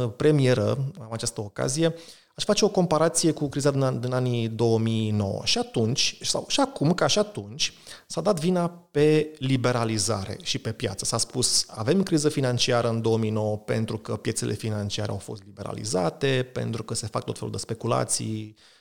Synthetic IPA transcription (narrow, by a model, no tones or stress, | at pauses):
pɾe̞mie̞ɾə̰amat͡ʃast̪əoka̰zije̞ | aʃfat͡ʃe̞o̞ko̞mpaɾat̪sije̞kukɾizad̪ind̪inanid̪o̞wəmino̞̰wə̰ʃiat̪unt͡ʃʲsa̰wʃiakumkaʃiat̪unt͡ʃʲsad̪at̪vinape̞libe̞ɾaliza̰ɾe̞̰ʃipe̞pja̰t̪sə̥saspusa̰ve̞mkɾizəfinant͡ʃiaɾəɨnd̪o̞əmino̞wəpe̞̰nt̪ɾukəpje̞t̪se̞lʔe̞̰finant͡ʃiaɾe̞̰a̰wfo̞̰st̪libe̞ɾa̰lḭzat̪e̞pe̞̰nt̪ɾukəse̞fa̰k̚t̪o̞t̪felud̪e̞spe̞kula̰t̪sḭj